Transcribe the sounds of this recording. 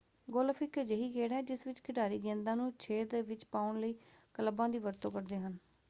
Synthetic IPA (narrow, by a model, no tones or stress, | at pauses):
ɡoːlfɪkd͡ʒəɦiːkeːɽaɛːd͡ʒɪsʋɪt͡ʃkʰɪʈaːɾiːɡẽːnd̪ãːnũːt͡ʃʰeːd̪ʋɪt͡ʃpaːʊɳləiːkələbãːd̪iːʋəɾt̪õːkəɾd̪eːɦən